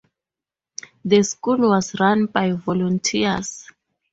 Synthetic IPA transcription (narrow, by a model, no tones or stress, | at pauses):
deskulwɔsɹanbajvolũntʰia̰s